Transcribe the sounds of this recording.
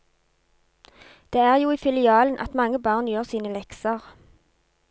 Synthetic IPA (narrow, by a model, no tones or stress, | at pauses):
d̪̥eːæːʁjuːiːfɪlɪɑːln̩ʔɑ̰t̪mɑŋəbɑːʁnjøːʁsiːnəlɛksəʁ